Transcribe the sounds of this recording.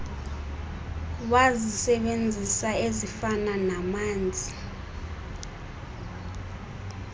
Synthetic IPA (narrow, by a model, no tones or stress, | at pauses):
wazisɛɓend͡zʱisaezifananamaːnd͡zʱi